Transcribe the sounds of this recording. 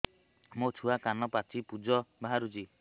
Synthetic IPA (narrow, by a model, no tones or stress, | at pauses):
mot͡ʃʰuakanɔpat͡ʃʰipud͡ʒɔbaɦaɾud͡ʒi